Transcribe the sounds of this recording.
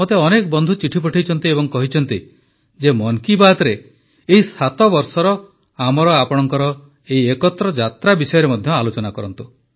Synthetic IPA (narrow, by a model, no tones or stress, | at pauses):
ot̪eɔnekɔbɔnd̪ʱut͡ʃiʈʰip̬ɔʈʰajt͡ʃʰɔnt̪iebɔŋkɔɦit͡ʃʰɔnt̪i | d͡ʒemɔŋkibad̪ɾe | eisat̪ɔbɔɾsɔɾɔ | amɔɾɔapɔɽ̃ɔŋkɔɾɔ | eiekɔt̪ːɾɔd͡ʒat̪ɾabisɔjɔɾemɔd̪ʱjɔalot͡ʃɔnakɔɾɔnt̪u